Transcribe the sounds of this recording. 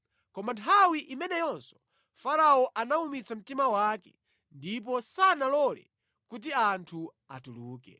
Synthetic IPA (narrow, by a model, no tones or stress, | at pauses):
kɔmantʰawiʔimɛnɛjɔnsɔ̥ | faɾaɔʔanaumit͡sʰam̩timawaːkɛ̰ | ndip̬ɔsanalɔlɛ̰ | kut̬iantʰu | a̰tuluːkɛ̰